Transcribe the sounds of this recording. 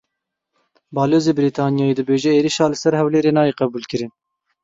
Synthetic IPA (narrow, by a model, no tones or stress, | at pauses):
bɑːloːzeːbɪɾiːt̪ʰɑːnijɑːeːd̪ɨbeːʒɛeːɾiʃɑːlɨsɛɾhɛwleːɾeːnɑːjeːqɛbuːlkɨɾɨn